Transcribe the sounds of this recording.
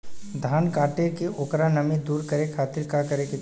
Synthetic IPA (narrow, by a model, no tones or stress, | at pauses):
d̪ʱaːnkaːʈekeʔʊːkɾanɐmid̪uːɾkəɾekʰaːt̪ɪɾkakəɾekɪ